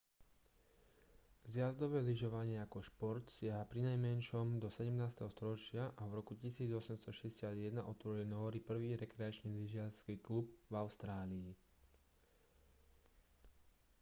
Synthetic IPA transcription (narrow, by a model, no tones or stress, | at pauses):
zjazd̪ɔʋɛːliʒɔʋaɲɪɛakɔʃpɔɾt̪sɪaɦapɾinajmɛnʃɔmd̪ɔsɛɟɛmnaːst̪ɛɦɔst̪ɔɾɔt͡ʃɪaʔavɾɔkucisiːd͡zɔsɛmst̪ɔʃɛɟɛsɪad̪jɛd̪naʔɔt̪ʋɔɾilinɔɔɾipr̩ʋiːɾɛkɾɛat͡ʃniliʒɪaɾskiːklub̚vaʊst̪ɾaːliː